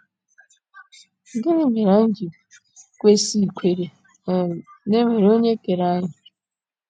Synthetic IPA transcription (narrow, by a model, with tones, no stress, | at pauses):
ɡɪ˦nɪ˦me˨ɾa˨n̩˦d͡ʒi˨ | kʷe˦si˦˨kʷe˨ɾe˨ | ne˦me˨ɾo˦ɲe˦ke˨ɾa˦ɲa˨